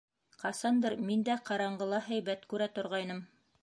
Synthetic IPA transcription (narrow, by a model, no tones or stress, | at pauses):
qɑsɑnd̪ɤɾmind̪æqɑɾɑɴɢɤ̆lˠɑɦæjβæt̪kʉɾæt̪ŏɾʁɑjnɤm